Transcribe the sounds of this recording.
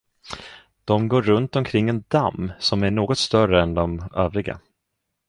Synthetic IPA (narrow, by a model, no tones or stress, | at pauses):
d̪̥ɔmɡoːɾːɵnt̪ɔmkʰɾɪŋːɛnd̪amːsɔmæɳoːɡɔt̪st̪œrəɛnd̪ɔmøːvɾɪɡa̰